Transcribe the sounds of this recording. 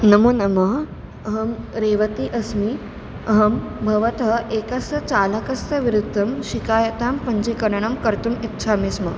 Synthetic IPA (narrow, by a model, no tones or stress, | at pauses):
nɐmoːnɐmɐɦ | ɦɐmɾeːʋɐt̪iʔɐsmiː | ɐɦɐmbʱɐʋɐt̪ɦɐʔekɐst̪ɐt͡salɐkɐst̪ɐʋiɾud̪ʱːɐmɕikaːjɐt̪aːmpɐɲd͡ʑikɐɾɳɐmkɐɾt̪umitːɕʰamismɐ